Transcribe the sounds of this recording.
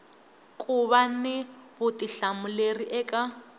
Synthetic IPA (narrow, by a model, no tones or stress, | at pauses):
kʼuβanɪβʊtʼiɬamuleriʔɛːkʼa